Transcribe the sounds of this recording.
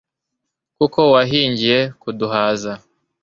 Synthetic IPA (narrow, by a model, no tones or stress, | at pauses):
kuko̞waɦiːɲɟije̞kuduɦaːza